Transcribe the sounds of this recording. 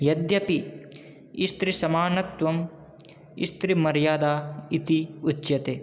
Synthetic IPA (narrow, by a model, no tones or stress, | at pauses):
jɐd̪jɐpi | ist̪ɾisɐmaːnɐt̪ʋɐm | ḭst̪ɾimɐɾjaːd̪aːit̪iut͡ʃːjɐt̪eː